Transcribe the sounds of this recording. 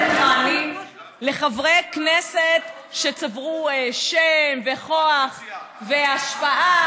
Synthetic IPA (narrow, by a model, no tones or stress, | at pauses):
χanim | le̞χavʁekneset̪ | ʃet͡savʁueʃemveχoaχ | veaʃpaʔa